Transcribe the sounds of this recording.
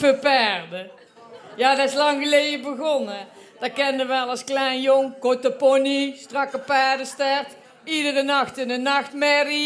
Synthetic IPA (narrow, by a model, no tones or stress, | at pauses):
fəpaːrdə | jaːdɑɪslɑŋɣəlejdəbəɣɔnə | d̥ɑkɛndəʋəɑlˠɑsklɛjnjoŋkɔtəpɔnistrɑkəpːaːɹdəstɛɹt | idərənɑxtɪndənɑxtmɛri